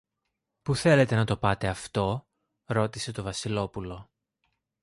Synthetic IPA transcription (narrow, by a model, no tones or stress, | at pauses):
puθe̞le̞t̪e̞nɐt̪o̞pɐt̪e̞ɐft̪o̞ | ɾo̞t̪ise̞t̪o̞vɐsilo̞pulo̞